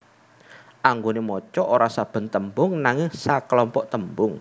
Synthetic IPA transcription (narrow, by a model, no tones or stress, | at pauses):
ʔaŋɡonemɔt͡ʃɔʔoɾasab̥ə̤nt̪əmbʊŋnaŋɪŋsakəlɔmpɔʔt̪əmbʊŋ